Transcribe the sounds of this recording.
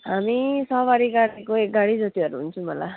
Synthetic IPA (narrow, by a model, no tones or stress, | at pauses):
ɦamisʌbaɽikaɾekoek̚ɡaɽid͡zʌt̪iʌɾuɦunt͡sʰũmʌla̰